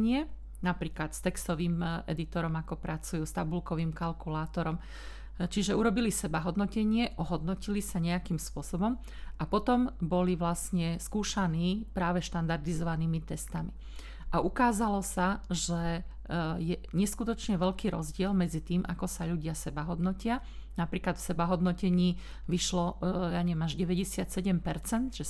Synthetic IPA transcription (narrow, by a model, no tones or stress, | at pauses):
ɲɪɛ | napɾiːklat̪st̪ɛkst̪ɔʋiːmʔɛ̰d̪it̪ɔɾɔmakɔpɾʔat͡sujuːst̪abulkɔʋiːmkalkulaːt̪ɔɾɔm | t͡ʃiʒɛuɾɔbilisɛbaɦɔd̪nɔcɛɲɪɛʔɔɦɔd̪nɔcilisaɲɛakimspʊɔsɔbɔm | apɔt̪ɔmbɔliʋlasɲɛskuːʃaniːpɾaːʋɛʃt̪and̪aɾd̪izɔʋaniːmit̪ɛst̪ami | ʔaʔukaːzalɔsaʒɛ | jɛɲɛskut̪ɔt͡ʃɲɛʋɛʎkiːɾɔ̰zɟɪɛlmɛd͡zit̪iːmʔa̰kɔsaʎuɟɪasɛbaɦɔd̪nɔcɪa | napɾiːklat̪fsɛbaɦɔd̪nɔcɛɲiː | ʋiʃlɔjaɲɛʋjɛmaʒɟɛʋɛɟɛsɪat̪sɛɟɛmpɛɾt͡sɛnd̪ʒɛ